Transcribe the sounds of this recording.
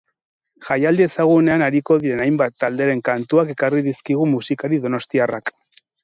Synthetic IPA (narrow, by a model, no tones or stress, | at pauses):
ʝajald̪iesaɣ̞une̞anaɾiko̞ðiɾe̞najmbat̪ːald̪eɾe̞ŋkant̪uake̞kariðiskiɣ̞umusikaɾiðo̞no̞st̪iarak